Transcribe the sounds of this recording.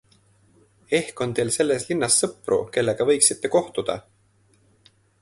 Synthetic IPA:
e̞hko̞nt̪e̞ːlse̞lːe̞slinːɑsːɤpˑrṵke̞lːe̞ɡ̥ɑvɤ̞jksit̪ˑːe̞ko̞ht̪ud̪̥ɑ̰

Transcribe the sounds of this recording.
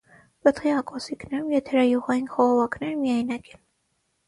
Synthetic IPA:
bət̪χiɑkʼɔsiknɛɾumjɛt̪ʰɛɾɑjuʁɑjinχɔʁɔvɑknɛɾmijɑjnɑkɛn

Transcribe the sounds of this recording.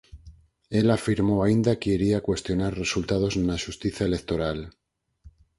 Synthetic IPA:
e̞lafiɾmo̞aind̪akeiɾiakwe̞st̪jo̞naɾre̞sult̪að̞o̞znaʃust̪iθaele̞k̚t̪o̞ɾal

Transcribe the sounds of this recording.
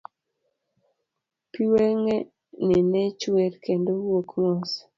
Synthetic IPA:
piweŋe | nɪnɛt͡ʃweɾkendowokŋɔs

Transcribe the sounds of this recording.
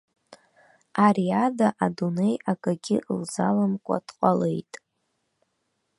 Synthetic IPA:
ariadaʔadune̞jakʼaɡʲɪʔlzalamkʷʼa̰dqʼalḛjtʼ

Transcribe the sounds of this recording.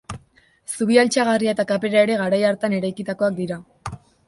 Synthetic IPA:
suβ̞ialt͡ʃaɣ̞ariae̞t̪akape̞ɾaeɾe̞ɣaɾajaɾt̪ane̞ɾajkit̪ako̞ak̚d̪iɾa

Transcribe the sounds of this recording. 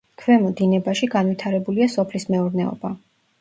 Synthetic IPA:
kʰvɛmɔd̪inɛbaʃiɡanwit̪ʰaɾɛbuliasɔpʰlismɛuɾnɛɔ̰ba

